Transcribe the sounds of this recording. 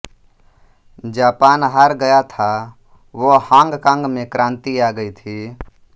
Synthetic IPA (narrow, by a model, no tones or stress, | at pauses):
d͡ʒaːpaːnɦaːɾɡəjat̪ʰa | ʋohãːŋɡkãŋɡmẽkɾãːnt̪iaːɡəit̪ʰi